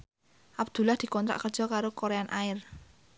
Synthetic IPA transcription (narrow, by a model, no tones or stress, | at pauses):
ʔabd̪̥ulahd̪̥i̤kɔnt̪ɾa̰ʔkər̥d͡ʒ̥ɔ̤kaɾokoɾeanʔaɪr